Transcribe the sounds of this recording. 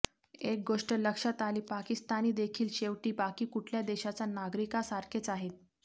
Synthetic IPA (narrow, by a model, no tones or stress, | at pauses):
ek̚ɡoʂʈələkʂət̪aliːpakist̪aniːd̪ekʰiːlɕeʋʈiːbakiːkuʈʰljad̪eɕat͡sanaɡɾikasaɾkʰet͡saɦet̪̚